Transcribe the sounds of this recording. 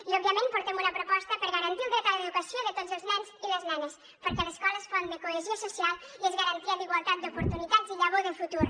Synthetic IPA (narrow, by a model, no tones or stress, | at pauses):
iɔbjəmẽnpuɾt̪ɛmunəpɾopɔst̪əpəɾɣəɾɐnt̪iult̪ɾekaɾðeðukəsijoðət̪ozəlˠznɛnziləznɛnes | pəɾkɛləskɔləsfɔnd̪ekueʒiəsusialˠiezɣəɾant̪iad̪iɣwalˠt̪at̪̚d̪upuɾt̪unit̪aziʎaβoðəfut̪uɾ